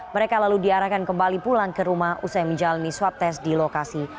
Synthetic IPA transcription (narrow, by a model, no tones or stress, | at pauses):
məɾekalaludiaɾahkankəmbalipulaŋkəɾumahʔusajməɲd͡ʒalaniswap̚t̪ɛsdilokasi